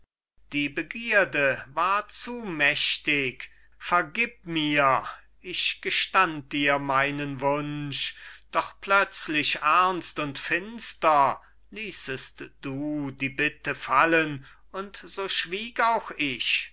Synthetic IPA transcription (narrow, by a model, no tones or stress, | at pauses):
d̥iːbəɡiːɐdəvaːɐt͡sumɛʃtɪk | fɛɐɡiːp̚miːɐ | ʔɪçɡ̥əʃtant̚d̥iːɐmaɪnənvʊnʃd̥ɔχplœt͡slɪɕʔæɐnstʊntfɪnstɐ | liːsəstd̥uːdiːbɪtəfalən | ʊntz̥oːʃv̥iːkaʊxɪç